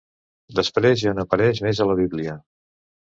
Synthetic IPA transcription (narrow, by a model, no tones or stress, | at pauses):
d̪əspɾezjanopəɾɛʃmezələβ̞iβliə